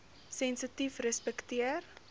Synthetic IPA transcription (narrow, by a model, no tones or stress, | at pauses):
sɛnsətifrəspɛktiər